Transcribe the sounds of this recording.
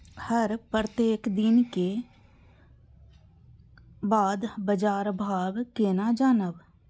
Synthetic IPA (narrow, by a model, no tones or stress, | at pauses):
həɾpət̪eːkd̪ɪnke | baːd̪bəd͡ʒaːɾbʱaːʋkeːnad͡ʒaːnəb